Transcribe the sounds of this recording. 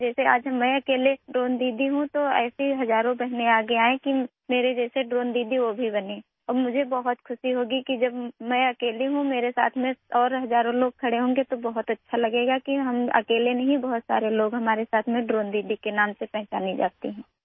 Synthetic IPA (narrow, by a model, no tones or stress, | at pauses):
d͡ʒɛːsea̰ːd͡ʒɦɐmːɛ̃ɐkeːleɖɾoːnd̪iːd̪iɦũt̪oɛ̰ːseɦɐzaːɾõbɛɦneaːɡeaːẽki | meːɾed͡ʒɛːseɖɾoːnd̪iːd̪iʋobʱibɐne | ɔːɾmʊd͡ʒʱebɐɦʊt̪kʰʊʃiɦoːɡikid͡ʒɐbmɛ̃ɐkeːliɦũmeːɾesa̰ːt̪ʰmẽɔːɾɦɐzaːɾõloːɡ̚kʰɐɽeɦõːŋɡet̪obɐɦʊt̪ɐtːʃʰalɐɡeːɡakiɦɐmɐ̰keːlenɐɦĩbɐɦʊt̪sa̰ːɾeloːɡɦɐmaːɾesaːt̪ʰmẽɖɾoːnd̪iːd̪ikenaːmsepɛɦt͡ʃaːnĩd͡ʒa̰ːt̪iɦɛ̃ː